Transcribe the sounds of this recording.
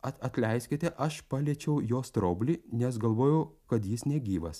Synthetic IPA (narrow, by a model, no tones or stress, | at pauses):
ɐt̪ɐt̪ʲlʲɛɪsʲkʲɪt̪ʲɛʔɐʃpɑːlʲiɛt͡ʃʲɛʊjoːst̪ɾoːbʲlʲiːnʲɛsɡɐlˠʋoːjɛʊkɐt̪jiːsnʲɛɡʲiːʋɐs